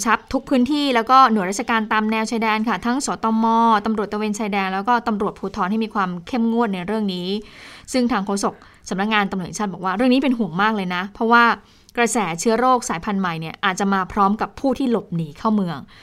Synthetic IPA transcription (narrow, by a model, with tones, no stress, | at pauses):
t͡ɕʰa˦˥p̚t̪ʰu˦˥k̚pʰɯː˦˥nt̪ʰiː˥˩lɛː˦˥wkɔː˥˩nu˩˦ɾa˥t̪̚t͡ɕa˧kaː˧nt̪aː˧mnɛː˧wt͡ɕʰaː˧jdɛː˧nkʰa˥˩t̪ʰa˦˥ŋsɔː˨˩˦t̪ɔː˧mɔː˧t̪a˧mɾu˨˩t̪̚ːa˧weː˧nt͡ɕʰaː˧jdɛː˧nlɛː˦˥wkɔː˥˩t̪a˧mɾu˨˩ət̪̚pʰuː˧t̪ʰɔː˧nha˥˩jmiː˧kʰwaː˧mkʰe˥˩mŋu˥˩ət̪̚na˧jɾɯ˥˩əŋniː˦˥sɯ˥˩ŋt̪ʰaː˧ŋkʰoː˧so˨˩k̚ | sa˨˩˦mna˦˥k̚ŋaː˧nt̪a˧mu˨˩˨t͡ɕaː˥˩bɔː˨˩kwaː˥˩ɾɯ˥˩əŋniː˦pe˧nɦu˨˩əŋmaː˥˩k̚lɤː˧jna˦˥pʰɾɔ˦˥waː˥˩ | kɾa˧sɛː˩˦t͡ɕʰɯ˦˥ɐɾoː˥˩k̚saː˩˦jpʰa˧nma˨˩jni˥˩ɐʔaː˨˩t̪̚t͡ɕa˨˩maː˧pʰɾɔː˦˥mka˨˩pʰːuː˥˩t̪ʰiː˥˩lo˨˩p̚niː˨˩˦kʰa˥˩wmɯ˧əŋ